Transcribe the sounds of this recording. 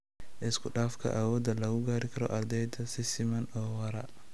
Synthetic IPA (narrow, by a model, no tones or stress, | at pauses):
ʔɪskʰʊɗaːfkʰɐ̰ʔaːwɔd̪ɐlɐɣʊɡaːɾikʰɐɾɔ̰ʔɐɾd̪ɛjd̪ʰɐsɪsɪmɐnɔːwɐɾɐ̰